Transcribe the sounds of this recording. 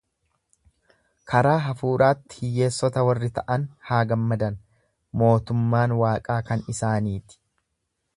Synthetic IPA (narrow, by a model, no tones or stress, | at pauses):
kʰɐɾaːɦɐfuːɾaːt̪ːɪ̥hɪjːe̞ːsːɔt̪ɐwɐrːɪt̪ɐʔɐnhaːɡɐmːɐd̪ɐn | mo̞ːt̪ʊmːaːnwaːkʼaːkɐnɪsaːniːt̪ɪ̥